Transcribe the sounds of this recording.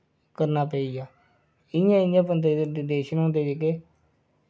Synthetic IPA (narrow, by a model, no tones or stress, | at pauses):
kəɾnaːpəːiːjaː | ɪjãːɪãːpənt̪̬ed̪eːʃənõːnd̪eːd͡ʒeːkeː